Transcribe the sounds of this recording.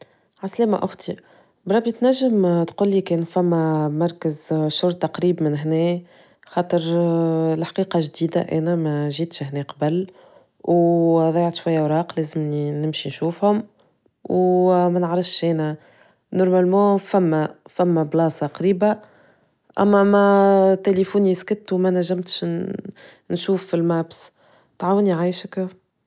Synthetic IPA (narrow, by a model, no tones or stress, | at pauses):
ʕaslæːma̰ʔʊxt̪i | bəɾˤɑbːit̪næʒːəmt̪quːlːiːkɛːnfæmːæmɑɾˤkəzʃʊɾˤt̪ɑqɾiːbmɪnɦnɛː | xɑːt̪ˤəɾ | lħqiːqɑʒd̪iːd̪a̰ʔæːnæmæʒiːt̪ʃhnɛːqɑbəl | wðˤɑjːɑʕt̪ʃwæjːæwɾˤɑːqleːzəmninɪmʃinʃuːfhʊm | wmænəʕɾəfʃʔɛːnæ | nɔɾˤmælmɑ̃ːfæmːæfæmːæblɑːsɑqɑɾiːba | ʔæ̰mːæmæt̪elifuniskɪt̪ːuwmænæʒːəmt̪ʃ | nʃuːfːilmæːbs | t̪ʕaːwəniʕajʃəkæf